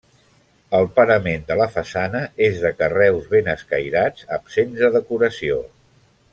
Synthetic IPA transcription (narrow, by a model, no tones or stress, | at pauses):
əlˠpəɾəmend̪ələfəsanəezðəkərɛwzβenəskə̰jɾad͡zəpsensəðəkuɾəsio